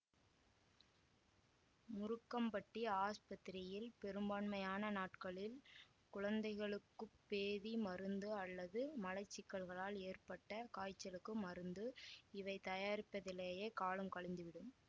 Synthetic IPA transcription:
mʊɾɯkːɐmpɐʈːiaːspɐt̪ːɪɾɪjɪlpɛɾɯmbaːɳmɐjaːnɐnaːʈkɐɭɪl | kʊɻɐnd̪ɐɪɣɐɭɯkːɯpːeːðimɐɾɯnd̪ɯɐlːɐðɯmɐlɐɪt͡ʃːɪkːɐɭɣɐɭaːleːrpɐʈːɐkaːjt͡ʃːɐlɯkːɯmɐɾɯnd̪ɯɪʋɐɪt̪ɐjaːɾɪpːɐðɪleːjeːkaːɭɯmkɐɭɪnd̪ɯʋɪɽɯm

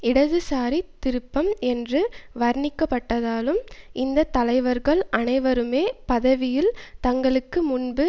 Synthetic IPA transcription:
ɪɽɐðɯsaːɾit̪ːɪɾɯpːɐmɛndrɯʋɐɾnɪkːɐpːɐʈːɐðaːlɯmʔɪnd̪ɐt̪ːɐlɐɪʋɐɾɣɐɭɐnɐɪʋɐɾɯmeːpɐðɐʋɪjɪlt̪ɐŋɡɐɭɯkːɯmʊnbɯ

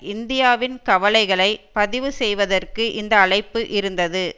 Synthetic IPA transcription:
ɪnd̪ɪjaːʋɪnkɐʋɐlɐɪɣɐɭɐɪpɐðɪʋɯsɛjʋɐðɐrkɯʔɪnd̪ɐːɭɐɪpːɯʔɪɾɯnd̪ɐðɯ

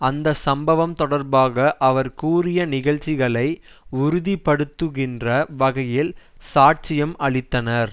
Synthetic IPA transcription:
ɐnd̪ɐsɐmbɐʋɐmt̪ɔɽɐɾbaːɣɐʔɐʋɐɾkuːrɪjɐnɪɣɐɭt͡ʃːɪɣɐɭɐɪ | ʊɾʊðipːɐɽɯt̪ːɯɣɪndrɐʋɐɣɐjɪlsaːʈ̚t͡ʃɪjɐmʔɐɭɪt̪ːɐnɐɾ

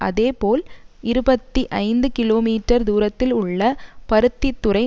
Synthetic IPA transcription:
ʔɐ̰ðeːpoːlɪɾɯbɐt̪ːiʔɐɪnd̪ɯkɪloːmiːʈːɐɾd̪uːɾɐt̪ːɪlʊɭːɐpɐɾɯt̪ːit̪ːʊɾɐɪ

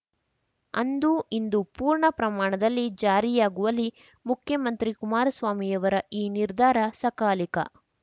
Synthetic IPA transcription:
ɐnd̪uind̪upuːɾɳɐpɾɐmaːɳɐd̪ɐlːid͡ʒaːɾijaːɡuʋɐlːi | mukʰjɐmɐnt̪ɾikumaːɾɐsʋaːmijɐʋɐɾɐiːniɾd̪ʱaːɾɐsɐkaːlikɐ̰

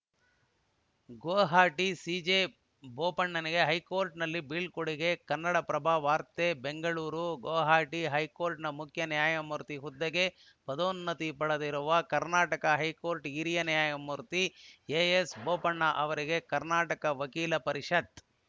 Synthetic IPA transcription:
ɡoːɦaːʈisiːd͡ʒeː | boːpɐɳːɐniɡe̞ɦɐjkoːɾʈnɐlːibiːɭkoɽiɡe̞kɐnːɐɽɐpɾɐbʱaːʋaːɾt̪ebeŋɡɐɭuːɾuɡoːɦaːʈiɦɐjkoːɾʈnɐmukʰjɐnijaːjɐmuɾt̪iɦud̪ːɐɡe̞ | pɐd̪oːnːɐt̪ipɐɽɐd̪iɾuʋɐkɐɾnaːʈɐkɐɦɐjkoːɾʈiːɾijɐnijaːjɐmːuɾt̪ijeesboːpɐɳːɐʔɐʋɐɾiɡe̞kɐɾnaːʈɐkɐʋɐkiːlɐpɐɾiʂɐt̪

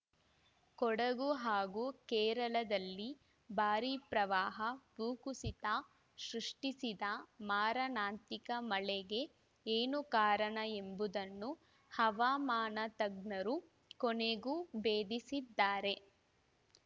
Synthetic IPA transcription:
kɔɽɐɡuɦaːɡukɛːɾɐlɐd̪ɐlːi | baːɾipɾɐʋaːɦɐpuːkusit̪aː | ʃɾuʂʈisid̪ɐmaːɾɐnaːnt̪ikɐmɐɭɛɡe̞ | eːnukaːɾɐɳɐe̞mbud̪ɐnːu | hɐʋaːmaːnɐt̪ɐɡnɐɾu | koneɡubeːd̪isid̪ːaːɾe̞

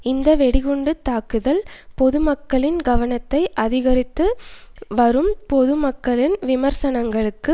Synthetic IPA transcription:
ɪnd̪ɐʋɛɽɪɣɔɳɖɯt̪ːaːkɯðɐlpɔðɯmɐkːɐɭɪnɡɐʋɐnɐt̪ːɐɪʔɐðɪɣɐɾɪt̪ːɯʋɐɾɯmpɔðɯmɐkːɐɭɪnʋɪmɐɾsɐnɐŋɡɐɭɯkːɯ

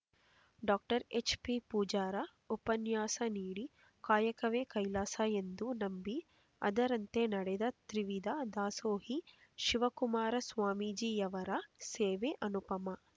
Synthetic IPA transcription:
ɖaːk̚ʈɐɾet͡ʃpipuːd͡ʒaːɾɐ | upɐnjaːsɐniːɽi | kaːjɐkɐʋeːkɐjlaːsajend̪unɐmbi | ɐ̰d̪ɐɾɐnt̪enɐɽɛd̪ɐt̪ɾiʋid̪ɐd̪aːsoːɦi | ʃiʋɐkumaːɾɐsʋaːmiːd͡ʒiːjɐʋɐɾɐseːʋeʔɐnupɐmɐ

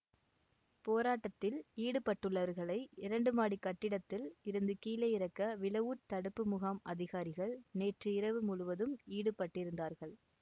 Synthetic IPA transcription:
poːɾaːʈːɐt̪ːɪliːɽɯpɐʈːɯɭːɐʋɐɾɣɐɭɐɪɪɾɐɳɖɯmaːɽikːɐʈːɪɽɐt̪ːɪlɪɾɯnd̪ɯkiːlɐjɪɾɐkːɐʋɪlɐʋuːʈt̪ɐɽɯpːɯmʊɣaːmɐðɪɣaːɾɪɣɐɭneːʈrɯɪɾɐʋɯmʊɻʊʋɐðɯmiːɽɯpːɐʈːɪɾɯnd̪aːɾɣɐɭ

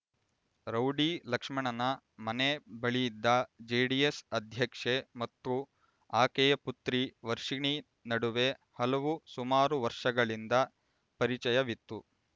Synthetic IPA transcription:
ɾɐwɖilɐkʂmɐɳɐnɐ | mɐnebɐɭijid̪ːɐd͡ʒeːɖiesɐd̪ʱjɐkʂemɐt̪ːu | aːkejɐput̪ɾiʋɐɾʂiɳi | nɐɽuʋe̞hɐlɐʋusumaːɾuʋɐɾʂɐɡɐɭind̪ɐ | pɐɾit͡ʃɐjɐʋit̪ːu

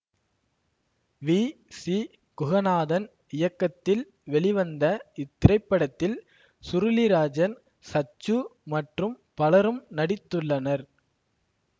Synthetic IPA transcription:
ʋi | si | kʊɣɐnaːðɐn | ɪjɐkːɐt̪ːɪl | ʋɛɭɪʋɐnd̪ɐɪt̪ːɪɾɐɪpːɐɽɐt̪ːɪl | sʊɾɪlɪɾaːd͡ʒɐn | sɐt͡ʃːɯmɐʈrɯm | pɐlɐɾɯmnɐɽɪt̪ːɯɭːɐnɐɾ

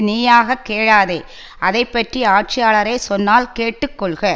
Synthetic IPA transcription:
niːjaːɣɐkːeːɻaːðe | ʔɐðɐɪpːɐʈriaːʈ̚t͡ʃɪjaːɭɐɾɐɪsɔnːaːlkeːʈːɯkːɔɭɣɐ

